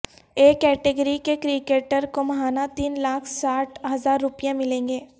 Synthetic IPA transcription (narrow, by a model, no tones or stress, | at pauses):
eːkːɛːʈeɡəɾikekɾikeːʈəɾkomɐɦaːnat̪iːnlaːkʰsaːʈʰɦɐzaːɾːʊpijãmɪlẽːŋɡeː